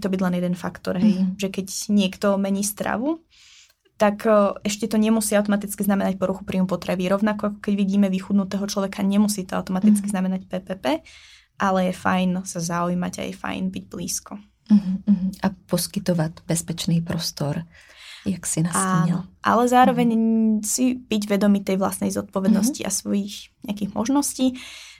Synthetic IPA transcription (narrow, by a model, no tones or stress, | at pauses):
t̪ɔbiɟlɛnjɛd̪ɛnfa̰kt̪ɔɾɦɛjʒɛkɛɟɲɪɛkt̪ɔmɛɲiːst̪ɾa̰ʋu | t̪akɛʃcɛt̪ɔɲɛmusiːaʊt̪ɔmat̪it͡skiznamɛnac̚pɔɾuxupɾiːmupɔt̪ɾɛʋiːɾɔʊnakɔakɔ̥kɛɟʋiɟiːmɛʋixuːd̪nut̪ɛːɦɔt͡ʃlɔʋɛkʰaɲɛmusiːt̪ɔa̰ʊt̪ɔmat̪it͡skiznamɛnacpɛːpɛːpɛː | ʔalɛjɛfajnsazaujmaɟa̰jɛ̰fa̰jnbiɟblḭːskɔ | ɦ̩ɦ̩apɔskit̪ɔʋaɟbɛspɛt͡ʃnipɾɔst̪ɔɾ | jaksinaanɔʔa̰lɛzaːɾɔʋɛɲsibiɟʋɛd̪ɔmit̪ɛjʋla̰st̪nɛjzɔt̪̚pɔʋɛd̪nɔsciʔa̰sʋɔjixɲɛakiːɣmɔ̰ʒnɔsciː